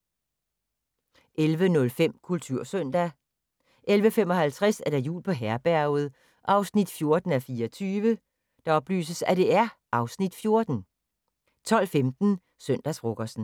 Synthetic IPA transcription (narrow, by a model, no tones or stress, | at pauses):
ʔelʋənɔ̽lfem̰kʰult͡sʰuɐ̰sœn̰d̥æ | ʔelʋəfemɒ̽ɦælt͡sʰʁɛsæɐɾ̥ɑ̈jṵːlpʰɒ̽ɦæɐb̥æɐ̰ʊð̞̩ˠ | ʔɑ̈ʊsnid̥fjo̝ɐd̥n̩æfiːɐɒt͡sʰyːʋə | d̥ɑ̈ɒ̽b̥ly̰ːsəsæd̥e̝æɐʔɑ̈ʊsnid̥fjo̝ɐd̥n̩ | t͡sʰɒ̽l̰femd̥n̩ | sœn̰d̥æsbʁɔɡ̥ɐsn̩